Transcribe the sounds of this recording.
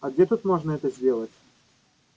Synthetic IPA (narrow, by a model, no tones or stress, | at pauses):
ɐɡdʲet̪ut̪mo̞ʐnəɛt̪əzʲdʲe̞lˠətʲ